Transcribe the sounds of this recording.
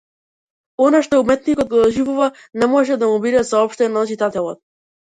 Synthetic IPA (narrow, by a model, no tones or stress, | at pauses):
ɔnaʃt̪ɔumɛt̪nikɔt̪̚ɡd̪ɔʒivuva | nɛmɔʒɛd̪amubid̪ɛsaɔpʃt̪ɛnat͡ʃit̪at̪ɛlˠɔt̪̚